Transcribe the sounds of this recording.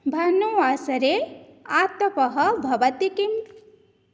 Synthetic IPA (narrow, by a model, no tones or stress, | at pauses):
bʱɐnuasɐɾeat̪ɐpɐɦʌbʱɐʋɐt̪ikim